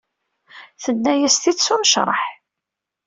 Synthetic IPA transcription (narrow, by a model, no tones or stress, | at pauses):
θənːæjæst̪iθsuməʃɾˤə̰ħ